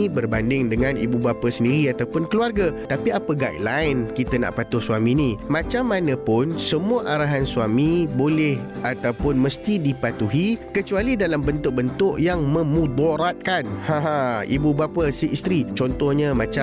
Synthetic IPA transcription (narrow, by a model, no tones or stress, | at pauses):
ibərbandɪŋdəŋãnʔḭbubapəsəndiɾiat̪awpʊnkəluarɡət̪apiapəɡa̰t̪laɪnkit̪ənã̰ʔpat̪ʊhswamĩnĩmãt͡ʃamːanəpʊnsəmuaʔaɾaɦansuamĩbolɛhat̪awpʊnməst̪idipat̪uɦikət͡ʃualidalambənt̪ʊʔ̚bənt̪ʊʔjaŋmə̃mũd̪ɔɾat̪̚kanhãɦãḭbubapəsiist̪ɾit͡ʃɔnt̪ɔhɲamãt͡ʃa